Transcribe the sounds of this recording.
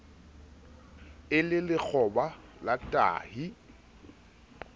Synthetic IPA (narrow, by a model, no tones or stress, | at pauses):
ɪlɪlɪk͡xʰɔbalatʼa̰ːhi